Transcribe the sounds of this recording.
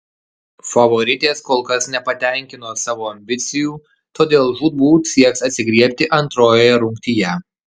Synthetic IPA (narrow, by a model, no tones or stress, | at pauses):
fɐʋɔɾʲɪt̪ʲeːskoːlˠkɐsnʲɛpɐt̪ʲɛˑŋʲkʲɪnoːsɑːʋoːɐmʲbʲɪt̪sʲɪjuː | t̪oːd̪ʲeːlˠʒuːd̪̚buːsʲiɛksɐt̪ʲsʲɪɡɾʲiɛpʲt̪ʲɪʔɐnt̪ɾoːjojɛɾʊŋʲkt̪ʲijɛ